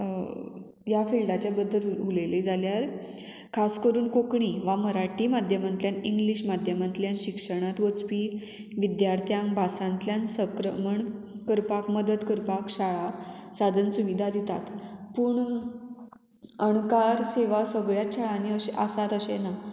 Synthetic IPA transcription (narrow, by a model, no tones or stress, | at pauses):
jafilʈat͡ɕjabəd̪ʱːəluleled͡zaljaɾ | kʰaskəɾuːnkokɳiʋaməɾaʈiːmad̪ʱjəmãnt̪ljaniŋɡliɕmad̪ʱjəmãnt̪ljanɕikʂəɽ̃at̪ʋət͡spi | ʋid̪jaɾt̪ʰjãmbʱasãnt̪ljansəkɾəməɳkəɾpakməd̪əd̪kəɾpakɕaɭasad̪ʱənsuʋid̪ʱad̪it̪a̰t̪puːɳ | əɳkaɾseʋasəɡɭjat͡ɕʰaɭaniəɕeʔasat̪əɕena